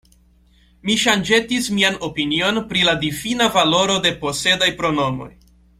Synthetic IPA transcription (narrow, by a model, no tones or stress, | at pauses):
miʃand͡ʒe̞tismiano̞pinio̞npɾiladifinavalo̞ɾo̞de̞po̞se̞dajpɾo̞no̞mo̞̰j